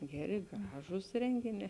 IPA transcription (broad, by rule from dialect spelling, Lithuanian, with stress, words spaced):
ˈɡʲæːˌrʲɪ ˈɡrɑːʒuːs ˈrʲɛŋʲɡʲɪˌnʲɛː